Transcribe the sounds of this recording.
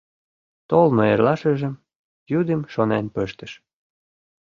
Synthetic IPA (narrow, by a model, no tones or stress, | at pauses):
t̪olnoerlɑʃə̆ʒə̆m | jud̪əmʃonenpøʃt̪ə̆ʃ